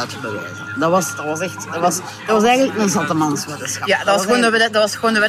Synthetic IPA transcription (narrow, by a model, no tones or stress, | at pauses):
təbəʋḛːzədɑʋɑsdɑtʋɑsɛxtdəʋɑs | d̥ɑʋɑsɛjɣənləknənzɑlˠtəmɑnsʋeːtəsɑjadɑtʋɑsxəʋoːndəʋddɑtʋɑsxəʋoːndəʋɛ